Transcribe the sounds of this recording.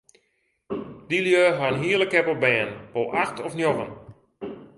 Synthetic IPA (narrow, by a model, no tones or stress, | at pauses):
diljøɦanɦiəlˠəkɛpɔbɛːnʋolˠʔaxtɔfnjoɣən